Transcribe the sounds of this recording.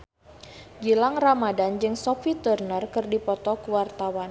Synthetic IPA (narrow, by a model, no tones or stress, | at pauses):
d͡ʒilaŋramadand͡ʒɨŋsɔfit̪urnərkɨrdipɔt̪ɔkuwart̪awan